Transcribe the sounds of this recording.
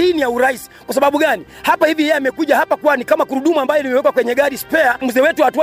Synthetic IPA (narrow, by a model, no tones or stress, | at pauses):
inijauɾaisi̥kwas̬aɓaɓuɠani | hapahivijɛjɛamɛkuʄahapakwanikamakuɾuɗumuambajɔnimɛwɛkwakwɛɲɛɠaɾispɛamuzɛːwɛtuwahatu